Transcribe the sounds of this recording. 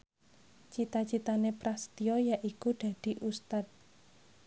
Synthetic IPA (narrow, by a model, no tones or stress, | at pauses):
t͡ʃit̪at͡ʃit̪anepɾast̪iɔjaʔikuɖ̪̥ä̤d̪̥i̤ʔust̪at̪̚